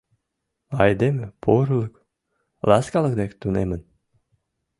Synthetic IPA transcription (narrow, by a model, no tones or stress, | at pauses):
ɑjd̪emɘpʰoɾlˠɤk | lˠɑskɑlˠɤkd̪ekt̪unemən